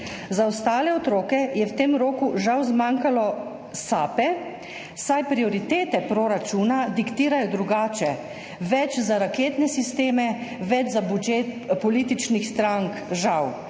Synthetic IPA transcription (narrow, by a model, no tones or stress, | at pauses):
zaɔst̪aːlɛɔt̪ɾoːkɛjɛwt̪emɾoːkuʒawzmaŋkalɔ | saːpɛ | sajpɾiɔɾit̪eːt̪ɛpɾoɾat͡ʃuːnad̪ikt̪iːɾajɔd̪ɾuɡaːt͡ʃɛ | ʋɛt͡ʃzaɾakeːt̪nɛsist̪eːmɛʋɛd͡ʒzabud͡ʒet̪pɔliːt̪it͡ʃnixst̪ɾaŋkʒaw